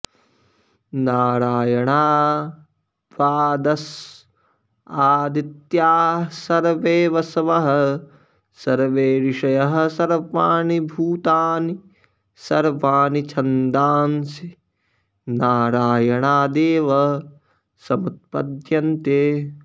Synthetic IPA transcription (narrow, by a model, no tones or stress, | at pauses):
naːɾaːjɐɳaː | ʋaːd̪ɐs | aːd̪it̪jaːsɐɾʋeːʋɐsɐʋɐɦɐ̆ | sɐɾʋeːɾiʂɐjɐɦɐ̆sɐɾʋaːnibʱuːt̪aːni | sɐɾʋaːnit͡ʃʰɐnd̪aːnsi | naːɾaːjɐɳaːd̪eːʋɐ | sɐmɐt̪̚pɐ̰d̪jɐnt̪eː